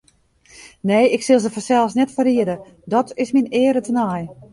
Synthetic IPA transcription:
neːɪksɪlˠzəfɔsɛlˠsnɛtfəriədə | dɔtʰɪsminɪːɾətənaj

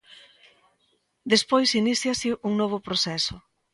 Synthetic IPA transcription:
d̪espojsiniθjasiʔuŋnoβ̞ʊpɾoθɛso

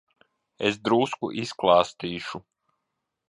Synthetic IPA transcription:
ḛsd̪ɾuːskṵʔisklˠɑːst̪iːʃu

